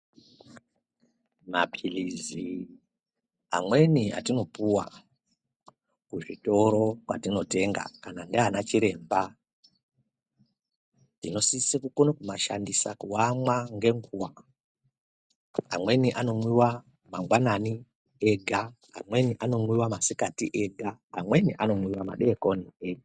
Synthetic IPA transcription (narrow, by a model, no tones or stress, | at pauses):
mapʰilizi | a̰mwe̞nia̰tino̞puwa̰ | kuʐito̞ɾo̞kwa̰tino̞te̞ŋɡa̰kanandeanat͡ʃiɾe̞ːmba | tino̞sisekukonokumaʃandisakuwamwaŋɡe̞ŋɡuwa | amwe̞niʔano̞mwiwa | maŋɡwanani | eɡʱa | a̰mwe̞niʔano̞mwiwamasikatiʔeɡʱaːmwe̞niʔano̞mwiwama̰ɗekonieɡa